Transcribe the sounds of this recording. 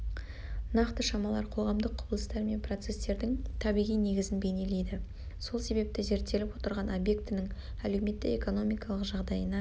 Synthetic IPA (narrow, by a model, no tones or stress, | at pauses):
nɑqt̪əʃɑmɑlˠɑ̰ɾqʰo̞ʁɑmd̪əqʰːʊbəlˠəst̪ɑɾme̞npʰro̞t̪se̞st̪e̞ɾd̪ɪŋt̪ʰɑbijʁijne̞ɡʲɪzɪnbe̞jne̞le̞jd̪ɪ | so̞lˠse̞βe̞p̚t̪ɪze̞ɾt̪ːe̞lɪpwo̞t̪əɾʁɑnobje̞kt̪ɪnɪŋ | ælewme̞t̪ːɪ̰eko̞no̞mijkɑlˠəqʒɑʁd̪ɑjənɑ